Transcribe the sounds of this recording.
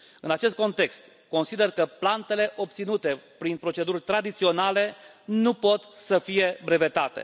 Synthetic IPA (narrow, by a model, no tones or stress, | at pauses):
ɨnat͡ʃe̞st̪̚ko̞nt̪e̞kst̪ | ko̞nsid̪e̞rkəplant̪e̞le̞ʔo̞p̚t̪sinut̪e̞pɾinpɾo̞t͡ʃe̞d̪urʲt̪ɾad̪it̪sio̞nale̞ | nupo̞t̪səfije̞bɾe̞ve̞t̪at̪e̞̰